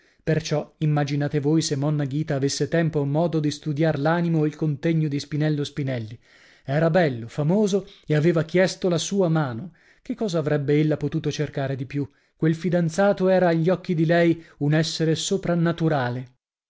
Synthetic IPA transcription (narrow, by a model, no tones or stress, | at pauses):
pert͡ʃɔimːad͡ʒinaːt̪evojsemːɔnːaɡiːt̪aːvesːet̪ɛmpomːɔːd̪od̪ist̪ud̪jaɾlaːnimoilkont̪eɲːod̪ispinɛlːospinɛlːi | ɛːɾabɛlːofamoːzoeaveːvak̟jɛst̪olasuːamaːno | kekːɔːzaːvɾɛbːeelːapot̪uːt̪ot͡ʃerkaːɾed̪ipju | kwelfid̪ant̪saːt̪oɛːɾaːʎːɔkːid̪ilɛjunɛsːeɾesopɾanːat̪uɾaːle